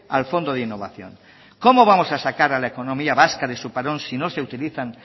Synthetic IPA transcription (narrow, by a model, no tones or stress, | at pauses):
a̰lfond̪oð̞inːoβa̰θjo̰ŋ | komoβ̞amosasakaɾalaekonõmiaβaskaðesupaɾonsinoseut̪iliθaŋ